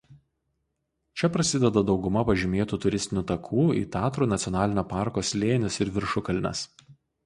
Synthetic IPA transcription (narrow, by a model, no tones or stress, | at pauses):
t͡ʃʲɛpɾɐsʲɪd̪ʲɛd̪ɐd̪ɒʊɡʊmɐpɐʒʲɪmʲeːt̪uːt̪ʊɾʲɪsʲt̪ʲɪnʲuːt̪ɐkʰuːḭːt̪ʲɑːt̪ɾuːnɐt̪sʲɔnɑːlʲɪnʲoːpɑˑɾkoːslʲeːnʲɪsɪɾʋʲɪɾʃʊkɐlʲnʲɛ̰s